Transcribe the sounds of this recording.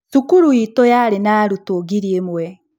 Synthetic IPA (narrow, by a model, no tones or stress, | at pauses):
ʃukuɾuitojaɾenaɾutoɡiɾiemwɛ